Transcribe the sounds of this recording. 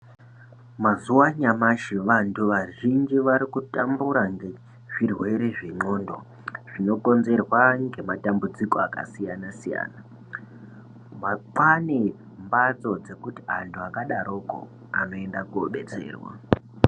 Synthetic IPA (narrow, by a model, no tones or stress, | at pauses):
mazuwaɲamaʃiʋantʰuʋaʒind͡ʒiʋaɾikutambuɾaŋɡe | ʐ̥irwe̞ɾe̞ʐeɲo̞ːndo̞ | ʐ̥ino̞ko̞nze̞rwaŋɡe̞matambud͡zikoaka̰sijanasija̰ːna | maǃwane | mbat͡so̞d͡ze̞kuti̥ɦantʰuakaɗaɾoːko̰ | a̰no̞e̞ndakuo̰ɓe̞̰t͡se̞̰ːrwa̰